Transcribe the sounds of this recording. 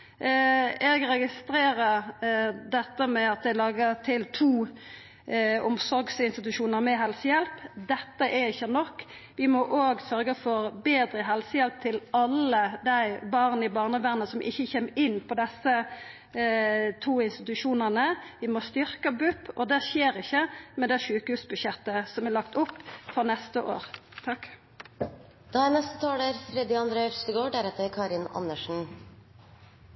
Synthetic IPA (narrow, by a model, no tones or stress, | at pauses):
ɛɡɾɛɡɪst̪ɾeːɾə | d̪ɛt̪ːəmɛɑt̪̚d̪ɛɪlɑːɡət̪ʰɪlt̪ʰuː | ʊmsɔɾɡsɪnst̪ɪt̪ʉʃuːnəɾmɛɦɛlsəjɛlpd̪ɛt̪ːəʔɛɾɪçːənɔkː | ʋɪmɔʔoːɡsœɾɡəfɔɾbeːd̪ɾəɦɛlsəjɛlp̚t̪ʰɪlɑlːəd̪æɪbɑʁnəɪbɑːʁnəʋæʁnəsɔmʔɪ̰çːəçeːmɪnːpʰɔd̪ɛsːə | t̪ʰuːɪnst̪ɪt̪ʉʂuːnənəʋɪmɔst̪ʏɾkəbʉpːɔd̪æʃeːɾɪçːəmɛd̪ɛʃʉːkəhʉːsbʉʃɛt̪ːəsɔmælɑkt̪ʊpːfɔʁnɛst̪əʔo̰ːʁt̪ʰɑk | d̪̥ɑːæɾnɛst̪ət̪ʰɑːləɾfɾɛd̪ɪɑnd̪ɾeːst̪əɡoːɖæɾɛt̪əɾkʰɑːɾɪnɑ̰nːəʂn̩